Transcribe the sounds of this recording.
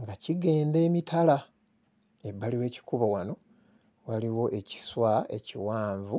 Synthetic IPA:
ŋɡaciɡe̞ːnde̞ːmitʰala | ebːaliwe̞ːci̥kuβowano̞ | waliwo̞ʔe̞ci̥swae̞̰ciwaːɱvu

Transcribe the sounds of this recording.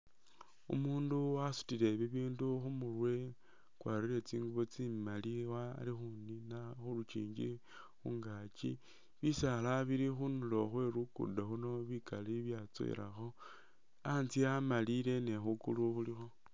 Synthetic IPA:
ṵmuːnduwasu̥tile̞βiβiːnduxumurwe̞ | kwaːɾiɾe̞t͡siːŋɡuβo̞t͡simaliwalixuninaxulut͡ʃḭːɲd͡ʒḭ | xuŋɡat͡ʃi | βisalaβiɾixunulo̞xwe̞ɾukṵdaxuno̞βikaliβjat͡so̰ḭɾa̰xo̞ | ant͡siamalile̞ne̞xukuluxulixo̞

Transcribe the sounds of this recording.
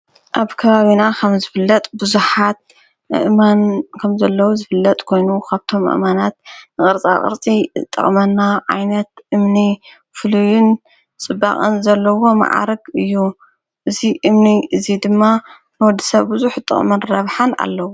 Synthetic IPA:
ʔaβkʰɐβaβinakʰɐmzɨfɨlːɐt̪ʼbɨzuħat̪̚ | ɨʔɨmankʰɐmzɐlːɐwuzɨfɨlːɐt̪ʼkʰo̞jnukʰaβt̪ʰo̞mʔɨ̰manat̪̚nɨχʼɨɾt͡sʼa̰χʼɨ̰ɾt͡sʼit̪ʼɨ̰χʼmɐnːaʕa̰jnɐt̪̚ʔɨmni | fɨlujʊn | t͡sʼɨbːa̰χʼɨnzɐlːɐwo̞ma̰ʕa̰ɾɐɡɨjːu | ʔɨziʔɨmniʔɨzid̪ɨmːa | nɨwɔd̪ːisɐβbɨzuħt̪ʼɨ̰χʼmɐnɾɐβħana̰lːɐwu

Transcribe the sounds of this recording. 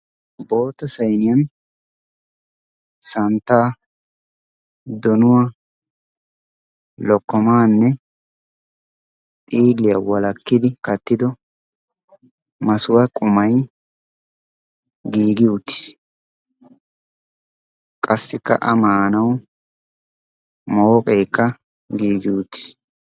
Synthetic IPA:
bo̞ːt̪ːɐsɐjnɪjɐn | sɐnt̪ːaː | d̪ɔnʊwa | lɔkːɔmaːnːɛ | t̪ʼiːlːɪjɐwɐlɐkːɪd̪ɪkɐt̪ːɪd̪ɔ | mɐsʊwɐkʼʊmɐj | ɡiːɡɪʊt̪ːɪ̥s | kʼɐsːɪkːɐ̰ʔɐmaːnɐw | moːkʼeːkːɐ | ɡiːɡɪʊt̪ːɪ̥s

